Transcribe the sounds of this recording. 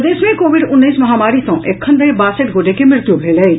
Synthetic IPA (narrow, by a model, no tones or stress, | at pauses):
d̪eːʃmẽkoːʋɪɖʊnːiːsmɐɦaːmaːɾisõʔeːkʰːɐ̃nd̪ɾebaːseʈɡʱoːʈekimɪɾt̪jũbʱeːləi